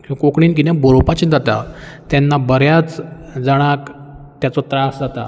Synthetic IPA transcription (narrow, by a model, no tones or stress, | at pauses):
kiʋkokɳiːnk̬it̪ɛ̃boɾopat͡ɕĩːd͡zat̪at̪janːabəɾjat͡sd͡zaɽ̃akt̪jat͡sɔt̪ɾasd͡zat̪a̰